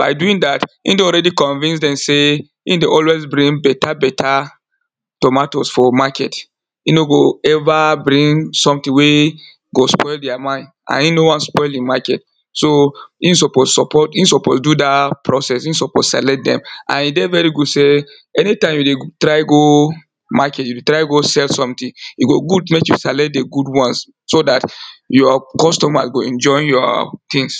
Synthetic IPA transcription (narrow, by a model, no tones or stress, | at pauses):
b̥a̰ɪduĩŋdatḭ̃ndeɔlɹɛdikɔ̃nvĩnsdɛ̃mse | ḭ̃ndeɔlwezbɹĩŋbɛtʰabɛta | tɔmatosfɔmakɛt | inoɡoɛvabɾĩŋsɔ̃mtĩŋwe | ɡospɔɪldɛamãɪ̃nd | ã̰nĩnowɔ̃nspɔɪlĩmakɛt | soisɔpossɔpʰɔtinsɔpɔ̰sdudapɹɔsɛsinsɔpɔssa̰lɛt̚dɛ̰̃mʔã̰nidɛvɛɹiɡudse | ɛnitãɪ̃mjudetɹaɪɡo | makɛtjudetɹaɪɡosɛlsɔ̃mtĩiɡoɡud̚mekjusalɛt̚deɡudwɔ̃ns | sodatjɔkɔstɔmasɡoɛ̃nd͡ʒɔɪjɔtĩŋs